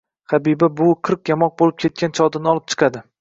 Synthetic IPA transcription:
χɑbibabʊqʰɨɾq̚jamɒq̚bolɪp̚kʲʰe̞t̪̚kʲʰant͡ʃʰɒd̪ɪnɪɒlˠɪp̚t͡ʃʰɨ̥qʰɑd̪ɪ

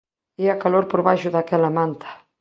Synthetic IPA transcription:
iakaloɾpoɾβajʃʊðakɛlamãnt̪ʰḁ

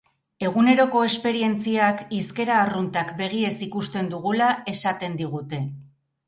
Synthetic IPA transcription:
e̞ɣ̞une̞ɾo̞ko̞e̞spe̞ɾie̞nt͡siakiske̞ɾaːrunt̪akbe̞ɣie̞sikust̪e̞nd̪uɣulae̞sat̪e̞nd̪iɣut̪e̞

